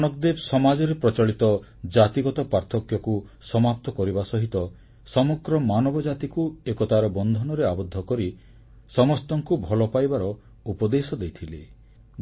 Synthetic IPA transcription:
nɔkd̪ebsɔmad͡ʒɔɾepɾɔt͡ʃɔɭit̪ɔ | d͡ʒat̪iɡɔt̪ɔpaɾt̪ʰɔkjɔku | sɔmap̚t̪ɔkɔɾibasɔɦit̪ɔ | sɔmɔɡɾɔmanɔbɔd͡ʒat̪ikuekɔt̪aɾɔbɔnd̪ʱɔnɔɾeabɔd̪ʱːɔkɔɾi | sɔmɔst̪ɔŋkubʱɔlɔpajbaɾɔ | upɔd̪esɔd̪ejt̪ʰile

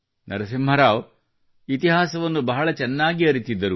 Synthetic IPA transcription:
nɐ̰ɾɐs̬imɦɐɾaːʋ | it̪iɦaːsɐʋɐnːubɐɦɐɭɐt͡ʃɛnːaːɡiɐɾit̪id̪ːɐɾu

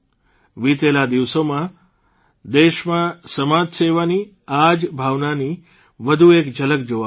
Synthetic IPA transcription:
ʋit̪elad̪iʋsomã | d̪eʃmãsəmad͡ʒseʋani | ad͡ʒbʱaʋnani | ʋəd̪ʱuekd͡ʒələk̚d͡ʒoʋa

